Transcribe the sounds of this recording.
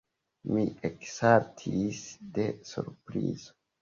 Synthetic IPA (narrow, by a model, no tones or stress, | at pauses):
mieksaɾtʰisde̞sṵɾpɾḭzo